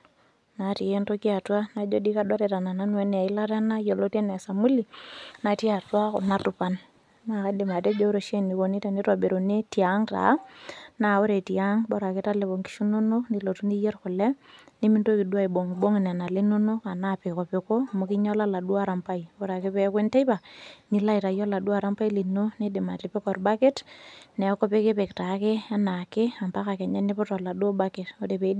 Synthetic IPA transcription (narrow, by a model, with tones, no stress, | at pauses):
na˨ti˨e˦nto˦ki˦a˨twa˦na˨d͡ʒo˦di˦ka˦do˦ɾe˨ta˨na˨na˦nwɛ˦n˨a˨ɪ˦la˦ta˦na˦jo˨lo˦te˦nɛ˨sa˨mu˦li˨na˨ti˦a˨twa˦kʊ̰˨na˦tʊ˨pa˦n | na˨ka˦dɪ˨ma˨te˦d͡ʒo˦ɾo˨ʃe˦ni˨ko˨ni˦ta˨ni˦twa˨be˨ɾo˨ne˦ti˦a˨˦ŋta̰˨˦na˨o˦ɾe˨ti˨a˦ŋbɔ˦ɾa˨kɪ˦ta˦le˨bo˨ŋki̥˦ʃu˦nu˦no˦ni˨lo˨tu˦ni˦jɛ˦rkʊ˨lɛ˦ni˦mi˦ndo˦ki˨du˦a˦i˨bo˨ŋbo˦ŋ˨nɛ˨na˨le˦nu˦nʊ˦ka˨na˦pɪ˨kɔ˨pɪ˨ko˦˨mʊ˨kɪ˦ɲɔ˦la˦la˨du˦a˦ɾa˨mpa˦i˨bo˨ɾa˨ke˦pe˦kwe˦nte˦jpa˨ni˨la˦i˨ta˨jɔ˦la˨dwa˦˨ɾa˦mpa˦i˦li˨no˦ne˦dɪ˨ma̰˨tɪ˨pɪ˦kɔ˨rba˦kɪ˦tnɛ˨˦kɔ˦pe˦ke˦pe˨kta˨˦kɪ˦a˦na˨kɪ˦a˨mpa˦ka˨kɛ˨ɲa˦nɪ˦pʊ˦tɔ˨la˨do˦ba˦kɪ˨to˨˦de˨pe˨˦